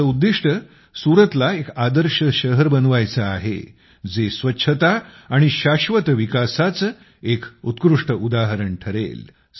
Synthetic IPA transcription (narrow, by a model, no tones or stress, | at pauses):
əud̪ːiʂʈə | suɾət̪laekad̪əɾɕəɕəɦəɾbənʋajt͡səa̰ɦḛ | d͡zesʋətːɕʰət̪aː | ɽ̃iɕaɕʋət̪ʋikasat͡s | ekut̪kɾuʂʈəud̪aɦəɾəɳʈʰəɾḛl